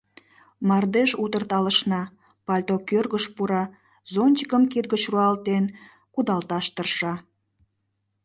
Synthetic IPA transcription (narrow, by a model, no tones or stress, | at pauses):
mɑrd̪eʃut̪ərt̪ɑləʃnɑ | pɑlʲt̪okørɣəʃpuɾɑ | zonʲt͡ɕə̥kəmket̪̚ɡət͡ɕruɑlt̪en | kud̪ɑlt̪ɑʃt̪ərʃɑ